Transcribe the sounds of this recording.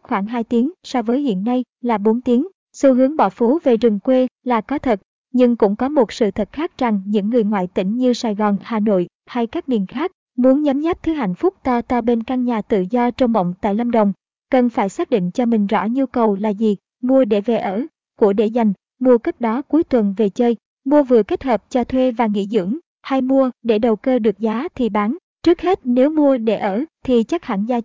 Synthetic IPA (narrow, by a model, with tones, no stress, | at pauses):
xwaː˧˩ŋɦaː˧jt̪i˨˦əŋsɔ˧wvəː˨˦jhḭ˧˨ənːa˧j | laː˨˩ɓo˨˦nt̪i˨˦əŋ | su˧ɦɨ˨˦əŋɓɔ˧˩fo˨˦ve˨˩zɨ˨˩ŋkwe˧laː˨˩kɔ˨˦t̪ʰə˨˩t̚ | ɲɨ˧ŋkʊ̰˧˥ŋ͡mkɔ˨˦mo˨˩t̚sɨ̰˧˨t̪ʰə˨˩t̚xaː˦˥k̚za˨˩ŋɲɨ̰˧˥ŋːɨ˨˩əjŋwa̰ː˧˨jt̪ḭ̈˧˩ŋ̟ɲɨ˧saː˨˩jɣɔ˨˩nhaː˨˩no̰˧˨j | ha˧jkaː˦˥k̚mi˨˩ənxaː˦˥k̚ | mu˨˦ənɲaː˨˦mzaː˦˥p̚t̪ʰɨ˨˦ha̰˧˨jn̟fʊ˦˥k͡p̚t̪a˧t̪ɔ˧ɓe˧nkaː˧nɲaː˨˩t̪ɨ̰˧˨zɔ˧t͡ɕɔ˧wŋ͡mɓə̰˧˨wŋ͡mt̪a̰ː˧˨jlə˧mɗə̰˧˨wŋ͡m | kə˨˩nfaː˧˩jsaː˦˥k̚ɗḭ˧˨ŋ̟t͡ɕɔ˧mï˨˩ŋ̟zɔ̰˧˥˩ɲu˧kə˨˩wlaː˨˩zi˨˩ | mu˧əɗe˧˩ve˨˩ʔəː˧˩ | ku˧˩əɗe˧˩za˨˩jŋ̟ | mu˧əkə˦˥t̚ɗɔ˨˦ku˨˦jt̪wə˨˩nve˨˩t͡ɕəː˧j | mu˧əvɨ˨˩əke˦˥t̚həː˨˩p̚t͡ɕɔ˧t̪ʰwe˧vaː˨˩ŋḭ˧˥zɨ̰˧˥əŋ | ha˧jmu˧əɗe˧˩ɗə˨˩wkəː˧ɗɨ˨˩ək̚zaː˨˦t̪ʰi˨˩ɓaː˨˦n | t͡ɕɨ˦˥ək̚he˦˥t̚ne˨˦wmu˧əɗe˧˩ʔəː˧˩t̪ʰi˨˩t͡ɕa˦˥k̚ha̰ː˧˩nzaː˧